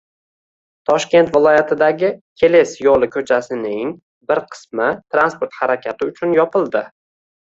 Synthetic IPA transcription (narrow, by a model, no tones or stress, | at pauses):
t̪ʰɒʃkʲe̞nt̪vɪlˠɒjat̪ʰɪd̪aɡʲɪkʲʰe̞lesjɒlˠɪkʲʰɵt͡ʃʰasɪnɪŋ | bɪɾqʰɨ̥smɪt̪ʰɾanspoɾt̪haɾakʲʰat̪ɪʊt͡ʃʰʊnjɒpɪlˠd̪ɪ